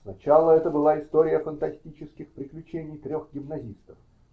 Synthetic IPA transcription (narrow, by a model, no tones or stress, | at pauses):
snɐt͡ɕalˠəɛt̪əbɨlˠaɪst̪o̞ɾʲɪjəfənt̪ɐsʲtʲit͡ɕɪskʲɪxpɾʲɪklʲʉt͡ɕenʲɪjt̪ɾʲo̞xɡʲɪmnɐzʲist̪əf